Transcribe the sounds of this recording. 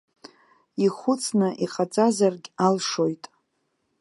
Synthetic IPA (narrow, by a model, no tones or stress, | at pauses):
iχʷʊt͡sʰnɨʔiqʼat͡sʼazarɡʲalʂo̞jtʼ